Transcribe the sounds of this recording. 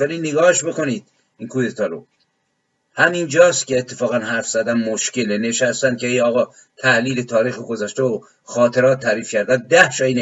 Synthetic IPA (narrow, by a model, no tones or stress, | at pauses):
vælinːeɡɒːheʃbe̞ko̞niːd̪̥ | inkʰujet̪ʰɒːɾo̰ | hæmind͡ʒɒːst̪cʲeːt̪ʰːefɒːɣænɦæɾfz̥æd̪ænmoʃceleneʃæst̪ænd̪̚cʰeejɒːɣɒː | t̪ʰæhliːlet̪ʰɒːɾiːxoɡozæʃt̪eo | xɒːt̪ʰe̞ɾɒːt̪ʰːæːɾiːfcʰæɾd̪æn̚d̪æhʃɒine